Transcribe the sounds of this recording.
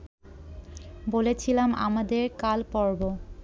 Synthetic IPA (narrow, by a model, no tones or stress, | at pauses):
bolet͡ɕʰilama̰mad̪eɾkalpɔɹbo